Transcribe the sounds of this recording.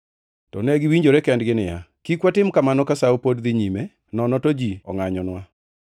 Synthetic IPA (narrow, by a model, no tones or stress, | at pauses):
tɔ̰nɛɡɪwiɲd͡ʒoɾɛkɛndɡɪnɪja̰kikwatɪmkamanɔkasaopodd̪ɪɲime | nɔnɔtod͡ʒiɔ̰ŋaɲɔnwa